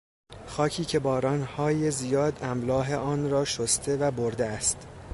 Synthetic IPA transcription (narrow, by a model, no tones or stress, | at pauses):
xɒːcʰiːcʰe̞bɒːɾɒːnhɒːjezijɒːd̪æmlɒːɦe̞ʔɒːnɾɒːʃost̪ʰe̞væboɾd̪eæst̪